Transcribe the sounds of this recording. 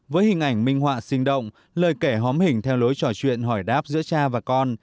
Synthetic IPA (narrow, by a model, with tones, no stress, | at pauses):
vəː˨˦jɦï˨˩ŋ̟ʔa˧˩jŋ̟mï˧ŋ̟ɦwa̰ː˧˨sï˧ŋ̟ɗə̰˧˨wŋ͡m | ləː˨˩jke˧˩ɦɔ˨˦mhï˨˩ŋ̟t̪ʰɛ˧wlo˨˦jt͡ɕɔ˧˩t͡ɕwḭ˧˨ənɦɔ˧˩jɗaː˦˥p̚zɨ̰˧˥t͡ɕaː˧vaː˨˩kɔ˧n